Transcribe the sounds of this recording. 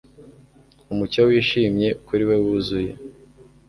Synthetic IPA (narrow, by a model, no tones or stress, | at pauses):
umucowiːʃimɲe̞ukuɾiwe̞wuzuje̞̰